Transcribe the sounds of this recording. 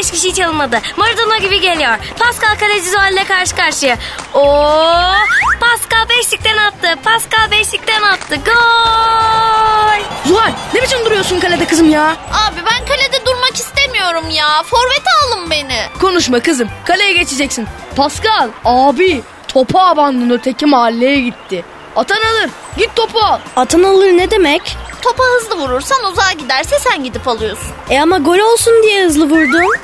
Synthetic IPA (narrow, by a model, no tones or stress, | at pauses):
ɛʃcʲiʃijt͡ʃʰalˠɯmad̪ɯmaɾd̪anaɟibiɟe̞lʲijoɾpʰaskalˠkʰalʲed͡ʒizualʲiːɛkʰaɾʃɯ̥kaɾʃɯjao | pʰaskalˠbɛʃlʲic̚t̪ɛnat̪ʰːɯpʰaskalˠbɛʃlʲic̚t̪ɛnat̪ʰːɯɡo | jzuɦaɾʲnebit͡ʃind̪uɾujoɾsunkʰalʲed̪ɛkʰɯzɯmjaːaːbibænkʰalʲed̪ɛd̪uɾmakist̪emijo̞ɾumjaːfo̞ɾvɛt̪alˠɯmbe̞nɪko̞nuʃmakɯzɯmkʰalʲejɛɟe̞t͡ʃʰed͡ʒɛcsinpʰaskalˠaːbi | t̪ʰo̞pʰaːband̪ɯnɯt̪ʰe̞cimaːlʲːejɛɟit̪ʰːɪ | at̪ʰanalˠɯɾ | ɟit̪̚ʰːo̞pʰaat̪ʰanalˠɯɾned̪e̞mɛct̪ʰo̞paɦɯzlˠɯvuɾuɾsanuzaːɟid̪æɾsɛsænɟid̪ipalˠɯjo̞sunɛamaɡo̞lʲo̞lˠsund̪ijɛhɯzlˠɯvuɾd̪ʊ